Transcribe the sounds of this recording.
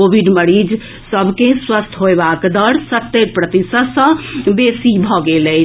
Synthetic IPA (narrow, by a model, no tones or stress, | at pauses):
obʱiɖməɾid͡ʒ | səbʱkẽswəst̪ʰɦoebakd̪əɽsət̪ːet̪̚pɾət̪isəd̪sə̃besibʱɔɡeləjʰ